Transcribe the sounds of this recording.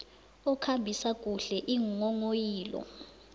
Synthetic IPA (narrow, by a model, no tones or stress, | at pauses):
ɔkʰambʱisakʼuɬɛʔiŋŋɔŋojiːlɔ̰